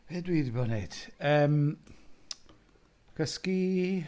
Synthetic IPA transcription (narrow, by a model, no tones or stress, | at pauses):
v̥edwiːdibɔnejd̥əːm | kʰəski